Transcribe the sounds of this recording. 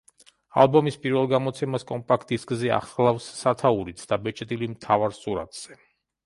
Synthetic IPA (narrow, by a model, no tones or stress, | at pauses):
a̰lˠbɔmispʼiɾvɛlˠɡamɔt̪sʰɛmaskʼɔmpʼakʰt̪ʼisɡʼzɛa̰χlˠafsːat̪ʰauɾit̪ʰd̪abɛt͡ʃʼt̪ʼilimt̪ʰavaɾsuɾa̰t̪ʼz̥ɛ